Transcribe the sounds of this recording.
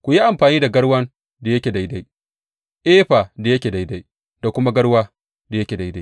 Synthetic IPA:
kʷu˨ji˦ʔa˨mɸaː˨niː˦da˨ɡɐ˦ɽwɐ˦n | da˨jɐ˦kʲeː˨da˨jda˦j | ʔeː˦ɸaː˨da˨jɐ˦kʲeː˨da˨jda˦j | d̥a˨kʷʊ˦ma˦ɡɐ˦ɽwaː˦ | da˨jɐ˦kʲeː˨da˨˦jda˦j

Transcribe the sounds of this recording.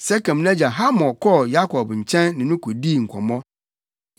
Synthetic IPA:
sɛ˦kɛ̃˨m˨nɛ̃˦d͡ʑa˨ɦa˦mɔ̃˨kʰɔ˦ja˦kʰɔ˨bɲ̩˨t͡ɕʰɛ̃˦nːɪ̃˨nʊ̃˦kʰo˨diː˦˨ŋ̩˨kʷʰɔ̃˨mɔ̃˦

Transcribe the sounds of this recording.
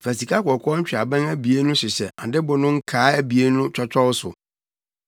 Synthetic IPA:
fæ˨si˨ka˦kɔ˨kʰɔ˦ɲ̩˦t͡ɕᶣɪ˨a˨bɛ̃˦ŋæ˦bi˨e˦nʊ̃˦sʊ˨ɕɛ˨ã˨dɪ˦bʊ˨nʊ̃˦ŋ̩˦kʰaː˨˦æ˦bi˨e˦nʊ̃˦t͡ɕʰᶣɔ˦t͡ɕʰɔ˦wsʊ̰˨

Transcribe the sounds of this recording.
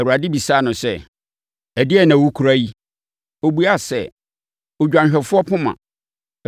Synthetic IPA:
ɛ˨u˨a˨dɪ˦bi˨saː˦nʊ̃˨sɛ̰˦˨ | æ˨dɪ˦ɛ˦˨nã˨wu˦kʰu˨ɾa˦ji˦ | o˨bu˦a˦sɛ̰˦˨ | o˨d͡ʑᶣã˨nɕᶣɛ˨fʊ˦ɔ˦pʰʊ̃˦mã̰˨

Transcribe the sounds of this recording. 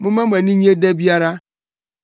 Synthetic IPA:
mu˦me˦mʷe˨ni˦ɲi˦e˦de˦bi˦a˦ɾa˦

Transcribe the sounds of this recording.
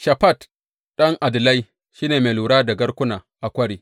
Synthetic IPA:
ʃa˨pa˦˨t | ɗɐ˦ŋʔa˨dɨ˨la˦i˦ | ʃiː˦ne˨me˨luː˨ɾa˦da˨ɡɐ˦ɾkʊ˦na˨ | ʔa˨kʷɐ˦ɽi˨

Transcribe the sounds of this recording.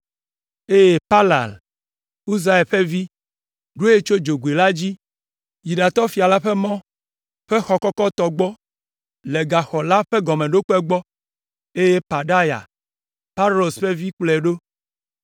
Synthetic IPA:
e˦je˦pa˦la̰˨l | u˦za˦e˨ɸe˦vi˦ | ɖo˦e˦t͡ʃo˦d͡ʒo˨ɡu˨e˨la˦d͡ʑi˦ | ju˨ɖa˨t̪ɔ˦fi˨a˨la˦ɸe˦mɔ̃˦ | ɸe˦xɔ˨kɔ˦kɔ˦t̪ɔ˦ɡ͡bɔ˦ | le˨ɡa˨xɔ˨la˦ɸe˦ɡɔ˨mẽ˨ɖo˦k͡po˦ɛ˦ɡ͡bɔ˦ | e˦je˦pa˨ɖa˦ja̰˨ | pa˦lo˨sɸe˦vi˦k͡plɛ˨ɖo˦

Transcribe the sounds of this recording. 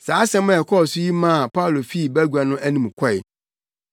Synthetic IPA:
saː˨˦sɛ̃˦mã˦˨ɛ˨kʰɔ˦˨sʊ˦ji˦mã˦˨pʰa˦ʊ˨lo˨fi˦˨bæ˦ɡu˨a˨nʊ̃˦ʔæ˦nĩ˨mkʰɔ˦˨ɪ˨

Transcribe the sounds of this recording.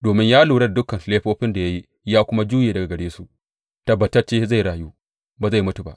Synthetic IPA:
doː˨mɪ˦ɲjaː˦luː˨ɽɐ˦˨dʊ˦kɐ˨n˨leː˦ɸoː˦ɸɪ˦nda˨ja˦ji˦ | jaː˦kʷʊ˦ma˦d͡ʒuː˦jeː˨dɐ˨ɡa˨ɡɐ˨ɽeː˦su˨ʔ | tɐ˦bɐ˨tɐ˦t͡ʃeː˦za˦˨jɽaː˨juː˦ | baː˨za˦˨jmʊ˦tu˨ba̰˨ʔ

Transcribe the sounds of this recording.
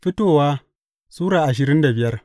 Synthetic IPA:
ɸɪ˦toː˦˨waː˦ | suː˦ɽaː˨ʔa˨ʃ̬ɪ˨ɾɪ˦nda˨bɪ˨jɐ˦r

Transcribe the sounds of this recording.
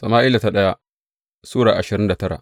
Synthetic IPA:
sɐ˨maː˦ʔɪ˦la˨ta˦ɗɐ˦ja˦ | suː˦ɽaː˨ʔa˨ʃɪ˨ɾɪ˦nda˨tɐ˦ɽa̰˨ʔ

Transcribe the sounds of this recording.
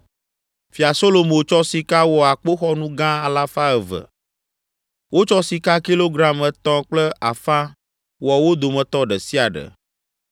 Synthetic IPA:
fi˨a˨so˦lo˨mõ˨t͡ʃɔ˦si˨ka˦wɔ˨a˨k͡po˦xɔ˦nũ˦ɡã˦a˨la˦fa˦ə˨və̰˨ | wo˦t͡ʃɔ˦si˨ka˦ki˦lo˦ɡɾa˦mɛ˨t̪ɔ̃˦k͡plə˦a̰˨fã˦ | wɔ˨wo˦d̪o˨mə̃˨t̪ɔ˦ɖə˨si˦a˨ɖə̰˨

